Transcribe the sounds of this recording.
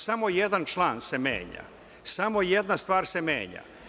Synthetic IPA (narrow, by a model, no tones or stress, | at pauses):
samo̞jed̪ant͡ʃlˠaːnse̞mḛːɲa̰ | samo̞jed̪nast̪ʋaːɾse̞mḛːɲa̰